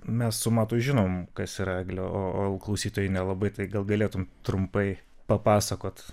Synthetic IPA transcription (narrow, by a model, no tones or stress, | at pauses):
mʲɛssʊmɑːt̪uːʒʲɪnoːmkɐsirɑɡʲlʲoːoːoːlˠklˠɐʊsʲiːt̪oːjɪnʲɛlˠɐbɐɪt̪ɐɪɡɐlˠɡɐlʲeːt̪ʊmt̪ɾʊmpɐɪ | pɐpɑːsɐkoːt̪